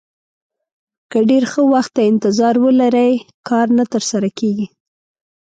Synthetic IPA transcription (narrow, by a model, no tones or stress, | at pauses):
kəɖeɾxəwaxt̪ːaɪnt̪ɪzɑɾwəlaɾəjkɑɾnat̪əɾsaɾakeɡi